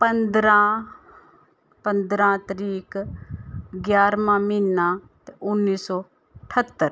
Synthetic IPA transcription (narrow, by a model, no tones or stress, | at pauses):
pənd̪ɾãː | pənd̪ɾãːt̪əɾiːk | ɡjaːɾmãːmiːnːãː | t̪eʔʊnːiːsɔː | ʈʰət̪ːəɾ